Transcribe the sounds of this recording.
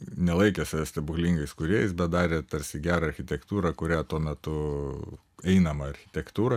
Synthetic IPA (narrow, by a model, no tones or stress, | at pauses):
nʲɛlˠɐɪkʲɛsʊʋʲæsʲt̪ʲɪbʊklʲiŋɡɐɪskʊɾʲeɛjɛɪsbʲɛt̪̚d̪ɑːɾʲeːt̪ɐɾʲsʲɪɡʲæːɾɐɐɾʲxʲɪt̪ʲɛkt̪uːɾɐkʊɾʲæːt̪uɔmʲɛt̪ʊ | ɛɪnɐmɐɐɾʲxʲɪt̪ʲɛkt̪uːɾɐ